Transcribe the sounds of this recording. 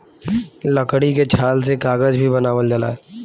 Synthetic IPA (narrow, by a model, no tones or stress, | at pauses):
lɐkɽiket͡ʃʰaːlsekaːɡəd͡ʒbʱibɐnaːʋəld͡ʒəla̰ː